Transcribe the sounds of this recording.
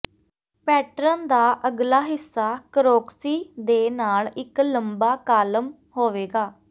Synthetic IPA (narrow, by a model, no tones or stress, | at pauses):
pɛːʈɾənd̪aːʔəɡlaːɦɪsːaːkəɾoːksiːd̪eːnaːlɪkləmbaːkaːləm | ɦoːʋeːɡaː